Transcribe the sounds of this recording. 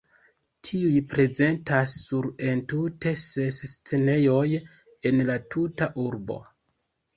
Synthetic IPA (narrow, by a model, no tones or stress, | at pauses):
tʰiujpɾe̞ze̞ntasːuɾe̞ntute̞se̞sːt͡se̞ne̞jo̞j | e̞nlatʰutaʔuɾbo̞̰